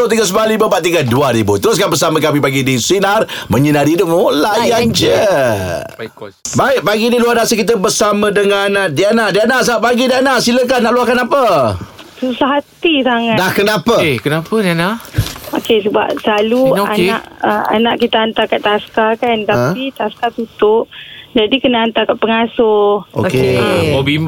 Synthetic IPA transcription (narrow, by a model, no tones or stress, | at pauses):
ot̪iŋɡəs̬əblalibəbaʔt̪iɡəduaɾibut̪əɾʊs̬kanbəsaməkamipaɡidiswinarmə̃ɲənaɾidəŋolajand͡ʒə | baɪʔ̚paɡiniluahdasakit̪̬əbəsamə̃dəŋanadianaʔdianasaaʔpaɡidianaʔsilək̬anaʔluahkanapə | susaɦatt̪isaŋadakənapəkənapədianaokesəba̰p̚səlalua̰na̰ʔəa̰naʔkit̪aant̪akaʔt̪askakant̪apit̪askat̪ut̪ʊʔd͡ʒadikənaant̪akaʔpəŋasʊo̰kemobim